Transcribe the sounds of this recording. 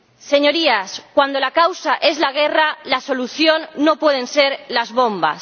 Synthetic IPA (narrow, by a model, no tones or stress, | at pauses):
se̞ɲo̞ɾiaskwand̪o̞lakawsaʔe̞zlaɣ̞e̞ralaso̞luθjo̞nːo̞pwe̞ð̞ẽ̞nse̞ɾlazβo̞mba̰s